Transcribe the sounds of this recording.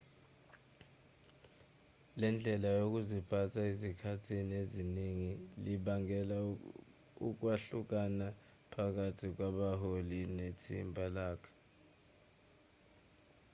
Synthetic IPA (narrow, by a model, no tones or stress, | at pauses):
lɛnd͡ɮʱɛlajok̬uzipʰatʰaezikʰatʰinieziniŋiliɓaŋɛla | ṵk̬waɬuk̬ana | pʰak̬atʰik̬waɓaholinetʰimbʱalaːkʰḁ